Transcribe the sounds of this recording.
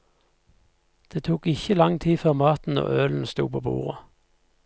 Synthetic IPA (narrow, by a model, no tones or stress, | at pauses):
d̪̥eːt̪ʰuːkɪçəlɑŋt̪ʰiːføːʁmɑːt̪n̩o̰ːøːln̩st̪ṵːpʰoːbṵːʁə